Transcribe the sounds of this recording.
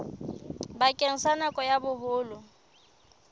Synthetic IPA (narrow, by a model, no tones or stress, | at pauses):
bakʼeŋ̩sanakʼɔjabʊhʊːlʊ